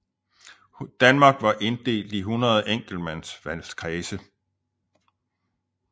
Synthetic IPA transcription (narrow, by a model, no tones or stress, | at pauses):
d̥ænmɑ̈ːɡ̥ʋɑ̈ʔe̝nd̥e̝̰ːld̥iɦunɐð̞ˠeŋ̰ɡ̥l̩̥mæn̰sʋælskʰʁɛːsə